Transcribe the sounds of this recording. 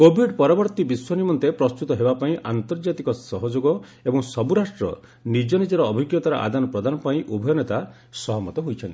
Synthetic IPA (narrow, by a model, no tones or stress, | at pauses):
kobʱiɖpɔɾɔbɔɾt̪ibiswɔnimɔnt̪epɾɔst̪ut̪ɔɦebapaĩʔant̪ɔɾd͡ʒat̪ikɔsɔɦɔd͡ʒoɡɔ | ebɔŋsɔbuɾasʈɾɔ̰ | nid͡ʒɔnid͡ʒɔɾɔːbʱiɡjɔt̪aɾɔʔa̰d̪anɔpɾɔd̪anɔpaĩʔubʱɔjɔnet̪a | sɔɦɔmɔt̪ɔɦojt͡ʃʰɔnt̪i